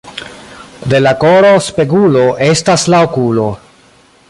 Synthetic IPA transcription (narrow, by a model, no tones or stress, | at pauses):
d̪e̞lakoɾo̞spe̞ɡulo̞ʔe̞staslaokulo̞